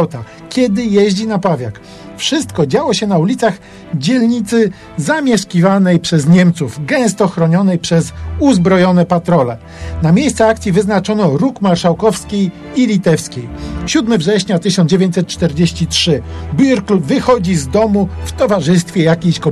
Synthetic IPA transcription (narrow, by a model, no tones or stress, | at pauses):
t̪a | kʲjɛd̪ɘjɛʑd͡ʑinapavʲja̰k | fʂɘst̪kɔd͡ʑawɔɕɛnaulʲit̪saɣ | d͡ʑɛlɲit̪sɘ | zamʲjɛʂkʲivanɛjpʂɛzɲɛmt̪suvɡɛ̃st̪ɔxɾɔɲɔnɛjpʂɛzuzbɾɔjɔnɛpat̪ɾɔlɛ | namʲjejst̪ɛakt̪sʲjivɘznat͡ʂɔnɔɾukmaɾʂawkɔfskʲij | ilʲit̪ɛfskʲejɕud̪mɘvʐɛɕɲat̪ɘɕɔnd͡ʑevʲjeɲt͡ɕ̪ʲsɛt̪̚t͡ʂt̪ɛɾd͡ʑeɕt͡ɕitʂɘbjuɾklupvɘxɔd͡ʑizd̪ɔmuft̪ɔvaʐɘst̪fʲjɛjakʲejɕkɔ